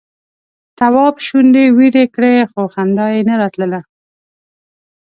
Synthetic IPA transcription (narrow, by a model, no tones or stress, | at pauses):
t̪awɑbʃund̪ewiɾekɽexoxamd̪ɑjenaɾɑt̪ləla